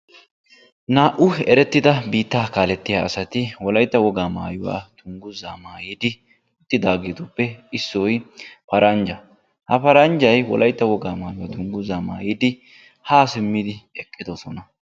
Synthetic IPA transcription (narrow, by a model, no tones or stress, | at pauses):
naːʔʊɛɾɛt̪ːɪd̪ɐbiːt̪ːaːkaːlɛt̪ːɪjaːɐsɐt̪ɪwɔlɐjt̪ːɐwɔɡaːma̰ːjʊwa̰ːt̪ʰʊŋɡʊzaːmaːjiːd̪ɪ | ʊt̪ːɪd̪aːɡeːt̪ɔpːɛɪsːɔjpɐɾɐnd͡ʒɐ | hɐpɐɾɐnd͡ʒɐjwɔ̰lʔɐjt̪ːɐwɔɡaːmaːjʊwaːt̪ʊŋɡʊzaːma̰ːjid̪ɪ | haːsɪmːɪd̪ɪɛkʼːɪd̪ɔsɔnɐ